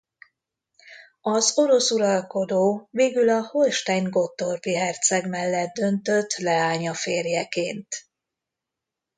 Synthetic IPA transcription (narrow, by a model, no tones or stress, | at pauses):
ɒzo̞ɾo̞suɾɒlko̞d̪oːveːɡylɒho̞lʃt̪ɛɲɡo̞t̪ːorpiɦɛrt̪sɛɡmɛlːɛt̪̚d̪ø̞nt̪ø̞t̪ːlɛaːɲɒfeːrjɛkeːnt̪